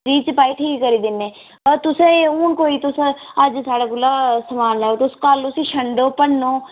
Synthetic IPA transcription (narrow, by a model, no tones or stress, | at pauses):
ɾiːt͡ʃpaːiːʈʰiːkːəɾiːd̪ɪnːeː | ət̪ʊsẽuːnkoːiːt̪ʊsəd͡ʒsaːɽaːkʊlːaːsəmaːnlaːot̪ʊskəlʊsĩːʃʰəɳɖoːpənːõː